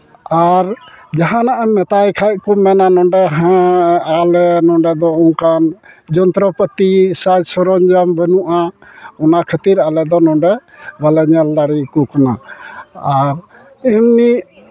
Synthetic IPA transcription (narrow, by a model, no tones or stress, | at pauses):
aɾd͡ʒaɦãnaʔamɛt̪ajkʰajʔ̚kɔmɛnanɔɳɖɛɦɛ̃alɛnɔɳɖɛd̪ɔɔŋkand͡ʒɔnt̪ɾɔpət̪isad͡ʒsɔɾɔɲd͡ʒambənuʔaɔnakʰət̪iɾalɛd̪ɔnɔ̃ɳɖɛ | balɛɲɛld̪aɽikɔkana̰ː | ɾ | imni